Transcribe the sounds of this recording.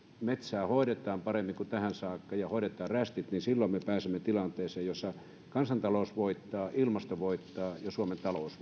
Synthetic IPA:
met̪sæːhoˑiɾet̪ˑɑːmpɑremːiŋkut̪æhænsɑːkːɑjɑhoˑiɾet̪ˑɑːræst̪it̪ninsilːommepæːsemːet̪ilɑnt̪eːseːjjosːɑ | kɑnsɑnt̪ɑloˑusʋoit̪ːɑːʔilmɑst̪oʋoit̪ːɑːjɑsuoment̪ɑlous

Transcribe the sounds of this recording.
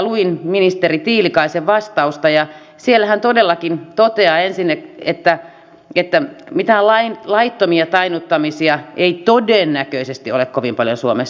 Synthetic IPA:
luinminist̪erit̪iːlikɑiseʋʋɑst̪ɑust̪ɑjɑ | sielːæhænt̪odelːɑkint̪ot̪eɑːensinːekḛt̪ːæ | et̪ːæmit̪ælɑinlɑit̪ːomiɑt̪ɑinut̪ːɑmisiɑʔeit̪odenːækøisest̪iolekkoʋimpɑljonsuomes

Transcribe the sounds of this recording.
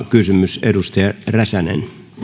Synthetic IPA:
kysymysedust̪eɑræsænḛn

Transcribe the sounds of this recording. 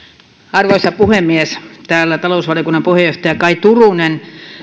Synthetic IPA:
ɑrʋoisɑpuhemːiest̪æːlːæt̪ɑlousʋɑliokunːɑmpuhejoht̪ɑjɑkɑit̪urunen

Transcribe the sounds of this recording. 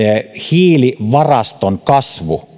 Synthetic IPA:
ehiːliʋɑrɑst̪oŋkɑsʋu

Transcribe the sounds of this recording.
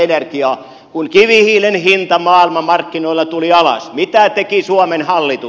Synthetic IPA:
enerkiɑː | kuŋkiʋihiːlenhint̪ɑmɑːilmɑmɑrkːinoilːɑt̪uliɑlɑ̰smit̪æt̪ekisuomenhɑlːit̪u

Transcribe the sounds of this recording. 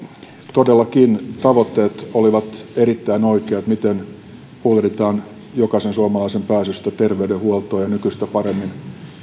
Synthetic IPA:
t̪odelːɑkint̪ɑʋot̪ːeːt̪oliʋɑt̪erit̪ːæinoikeːt̪mit̪en | pulrit̪ɑːn | jokɑsensuɑmɑlɑisempæːsyst̪æt̪erʋeydehuolt̪oːjɑnykyst̪æpɑremːin

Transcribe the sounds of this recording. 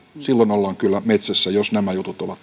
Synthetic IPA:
silːonolːɑːŋkylːæmet̪sæsːæjosnæmæjut̪ut̪oʋɑt̪

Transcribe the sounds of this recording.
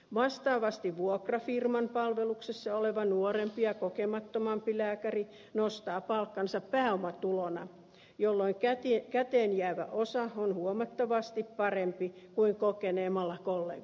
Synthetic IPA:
ʋɑst̪ɑːʋɑst̪iʋʋuokrɑfirmɑmpɑlʋeluksesːɑoleʋɑnuorempijɑkokemɑt̪ːomɑmpilæːkæri | nost̪ɑːpɑlkːɑnsɑppæːomɑt̪ulonɑ̰ | jolːoiŋkæt̪ikæt̪eːnjæʋæ̰ʔosɑonhuomɑt̪ːoʋɑst̪ippɑrempikuiŋkokeneːmɑlːɑkolːḛ

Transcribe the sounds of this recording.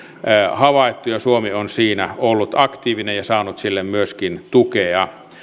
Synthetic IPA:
hɑʋɑˑet̪ːujɑsuomionsiːnæolːut̪ɑkt̪iːʋinejjɑsɑːnut̪silːemmyøskint̪ukeɑ

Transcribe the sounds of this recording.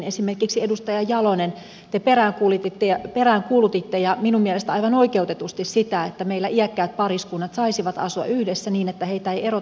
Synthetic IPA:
nesimerkiksiedust̪ɑjɑjɑlonen | t̪eperæːŋkuːlit̪ːit̪ːeɑperæːŋkuːlut̪it̪ːejɑminummiælest̪ɑiʋɑnoikeut̪et̪ust̪issit̪æet̪ːæmeilːæʔiækːæyt̪̚pɑriskunːɑt̪sɑisiʋɑt̪ɑ̰suɑ̰yhdesːæniːnet̪ːæheit̪æeiero

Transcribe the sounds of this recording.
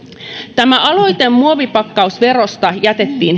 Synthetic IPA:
t̪æmæɑlo̞jt̪emːuoʋipɑkːɑusʋe̞ɾost̪ɑjæt̪e̞t̪ːiːn

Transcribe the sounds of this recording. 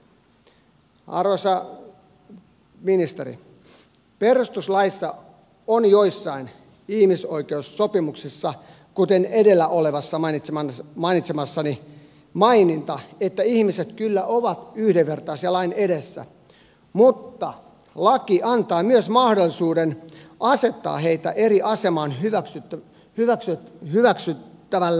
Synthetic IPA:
ɑ̰rʋosɑ | minist̪eɾḭ | perust̪uslɑisːɑ | onjoisːɑin | ihmiso̞ikeusːopimuksisːɑ | kut̪enedelːæʔoleʋɑsːɑmɑinit̪sɑmɑinit̪semɑsːɑni | mɑinint̪ɑet̪ːæihmiset̪kylːæʔoʋɑt̪yhdeʋʋert̪ɑːsjɑlɑineɾesːæ̰ | mut̪ːɑ | lɑkiʔɑnt̪ɑːmyøsmɑhdolːisuːdenʔɑset̪ːɑ̰ːheit̪æ̰ʔeriʔɑsemɑːnɦyʋæksy | hyʋæksyhyʋæksyt̪ːæʋælː

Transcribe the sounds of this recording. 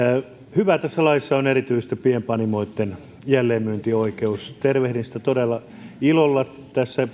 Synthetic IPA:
hyʋæt̪æsːælɑisːɑonerit̪yisest̪æpiempɑnimoit̪ːen | jælːeːmmyønt̪ioikeust̪erʋehɾinsĭ̥t̪æt̪odelːˑɑ | ilolːɑ | t̪æsːæ

